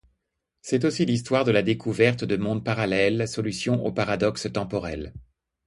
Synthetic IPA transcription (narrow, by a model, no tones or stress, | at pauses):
sɛt̪osilis̬t̪waʁd̪əlad̪ekʰuvɛʁt̪d̪əmɔ̃d̪̚paʁalɛlsɔlysjɔ̃ʔo̰paʁad̪ɔkst̪ɑ̃pɔʁɛl